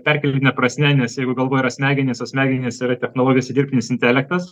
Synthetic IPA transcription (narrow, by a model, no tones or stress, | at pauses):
pʲɛɾʲkʲɛlʲenʲɛpɾɐsʲnʲɛnʲɛsjɛɪɡʊɡɐlˠʋoːjiɾɐsʲmʲæːɡʲɪnʲeːsɐsʲmʲæːɡʲɪnʲeːsiɾɐt̪ʲɛxnoːlˠoːɡʲɪjoːsʲd̪ʲirʲpʲt̪ʲɪnʲɪsɪnʲt̪ʲælʲɛk̚t̪ɐs